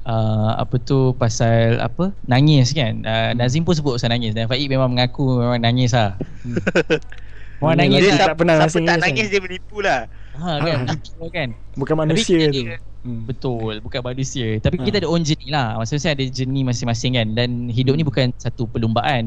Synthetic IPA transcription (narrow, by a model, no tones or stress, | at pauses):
ʔəa̰pət̪upasala̰pənaŋɪskanʔənazimpusəbʊt̚pasalnaŋɪsdaafaʔiʔ̚memãŋməŋakumemãŋnaŋɪs̬lah | memaŋnãŋɪspənaasət̪anaɪsdiəbəlipulah | akanat̪iəkanbukanmatnaupisiət | bət̪ʊlbukanmanusiət̪apikit̪aːdəɔnd͡ʒənilahmasɪ̃ŋmas̬ɪŋadəd͡ʒənĩmasɪŋmasɪŋkandanɦidʊp̚nĩbukansat̪upəlumbaʔan